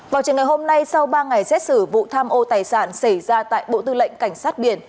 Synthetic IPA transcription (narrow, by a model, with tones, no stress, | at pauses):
vaː˨˩wt͡ɕɨ˨˩əŋa˨˩ho˧mna˧jsa˧wɓaː˧ŋa˨˩jsɛ˦˥t̚sɨ˧˩vṵ˧˨t̪ʰaː˧mʔo˧t̪aː˨˩jsaː˧˩nsə˧˩jzaː˧t̪a̰ː˧˨jɓo̰˧˨t̪ɨ˧lə̰˧˨jŋ̟ka˧˩jŋ̟saː˦˥t̚ɓi˧˩ən